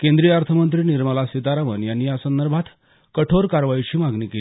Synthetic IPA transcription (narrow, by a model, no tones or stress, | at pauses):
kẽnd̪ɾijaɾt̪ʰəmənt̪ɾiːniɾməlasit̪aɾaʋənjanːiːjasənd̪əɾbʱat̪ | kəʈʰoɾkaɾʋait͡ɕiːmaɡniːkel